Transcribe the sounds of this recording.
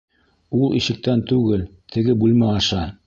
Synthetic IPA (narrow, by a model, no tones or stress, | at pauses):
ulˠiʃɘ̆k̚t̪ænt̪ʉɡɘlt̪ʰɘ̆ɡɘbulʲmæɑʃɑ